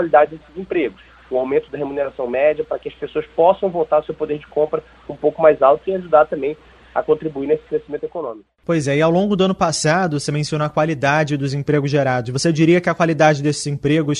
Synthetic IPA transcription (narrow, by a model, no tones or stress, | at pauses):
walid̪ad͡ʒɪd̪esɪzẽpɾeɡʊs | ʊawmẽnt̪ʊd̪ɐɦemuneɾasɐ̃w̃mɛd͡ʒɐpɾɐkɪɐspesoɐspɔsɐ̃w̃vowt̪aɾʊsewpod̪eɾd͡ʒɪkõmpɾɐ | ũpowkʊmajzawˠt̪ʊiaʒud̪aɾt̪ɐ̃mbẽj̃ | ɐ̰kõnt̪ɾibuinesɪ̥kɾesimẽnt̪ʊekonõmikʊʊpojzɛɪawlõɡʊd̪ʊɐ̃nʊpasad̪ʊsemẽsiõnoɐkwalid̪ad͡ʒɪd̪ʊzẽpɾeɡʊzʒeɾad̪ʊʃvosed͡ʒiɾiɐkɪɐkwalid̪ad͡ʒɪd̪esɪzẽpɾeɡʊs